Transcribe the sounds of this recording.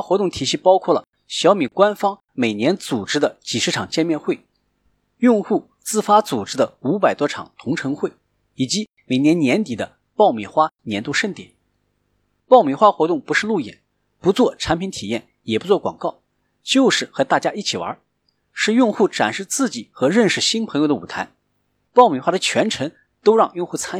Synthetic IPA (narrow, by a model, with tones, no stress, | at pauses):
xwɔ˧˥t̪ʊ˥˩ŋt̪ʰi˨˩ɕi˥pɑ˥ʊkʰwɔ˥˩lə̰˩ | ɕjɑ˧˥ʊmi˨˩kwa˥nfɑ˥ŋ | me˨˩ɪnjɛ˧˥nt͡su˨˩ʈ͡ʂɻ̩˥d̪ə˨t͡ɕi˨˩ʂɻ̩˥˩ʈ͡ʂʰɑ˨˩ŋt͡ɕjɛ˥˧nmjɛ˥˧nxwe˥˩ɪ | jʊ˥˧ŋxu˥˧ | t͡sɹ̩˥˧fa˥t͡su˨˩ʈ͡ʂɻ̩˥d̪ə˧u˧˥p̬a˨˩ɪt̪wɔ˥ʈ͡ʂʰɑ̰˨˩ŋt̪ʰʊ˧˥ŋʈ͡ʂʰɤ˧˥ŋxwe˥˩ɪ | i˨˩t͡ɕi˧˥ | me˨˩ɪnjɛ˧˥nnjɛ˧˥nt̪i˨˩d̪ə˦ | pɑ˥˧ʊmɛ˨˩xwa˥njɛ˧˥nt̪u˥˧ʂə˥˩nt̪jɛ̰˨˩˦n | pɑ˥˩ʊmɛ˨˩xwa˥xwɔ˧˥t̪ʊ˥˩ŋpu˧˥ʂɻ̩˥˧lu˥˩jɛ̰˨˩˦n | pu˧˥t͡swɔ˥˩ʈ͡ʂʰa˧˥npʰi˧˥nt̪ʰi˨˩jɛ˥˩n | jɛ˨˩pu˧˥t͡swɔ˥˩kwɑ˨˩ŋkɑ˥˩ʊ | t͡ɕjo˥˧ʊʂɻ̩˥˩xɤ˧˥t̪a˥˩t͡ɕja˥i˥˩t͡ɕʰi˨˩wɐ̰˞˧˥ | ʂɻ̩˥˧jʊ˥˧ŋxu˥˩ʈ͡ʂa˨˩nʂɻ̩˥˧t͡sɹ̩˥˩t͡ɕi˨˩xɤ˧˥ɻə˥˧nʂɻ̩˧˩ɕi˥npʰə˧˥jo˧ʊd̪ə˧ṵ˨˩t̪ʰa˧˥ɪ | pɑ˥˩ʊmi˨˩xwa˥d̪ə˨t͡ɕʰɥɛ˧˥nʈ͡ʂʰɤ˧˥ŋ | t̪o˥ʊɻɑ˥˧ŋjʊ˥˧ŋxu˥˩t͡sʰa˥n˥˧